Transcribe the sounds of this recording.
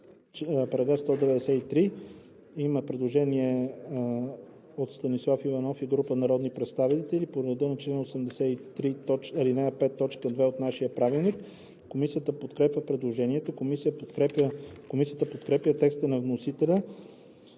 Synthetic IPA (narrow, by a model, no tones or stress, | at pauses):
pɾɐɡast̪ɔd̪ɛvɛd̪ɛsɛit̪ɾi | iməpɾɛd̪lˠoʒɛniɛ | ot̪st̪ɐnislˠafivɐnɔfiɡɾupənɐɾɔd̪nipɾɛt̪st̪avit̪ɛlipoɾɾəd̪ənɐt͡ʃlɛnosəmd̪ɛsɛit̪ɾit̪ɔt͡ʃɐlinɛɛpɛt̪ːɔt͡ʃkəd̪vɛot̪naʃijəpɾavilˠnikː | omisijət̪əpot̪kɾɛpʲjʲəpɾɛd̪lˠoʒɛniɛt̪okomisiəpot̪ɾɛpəkomisijət̪əpot̪kɾɛpjət̪ɛkst̪ənɐvnosit̪ɛlʲɐ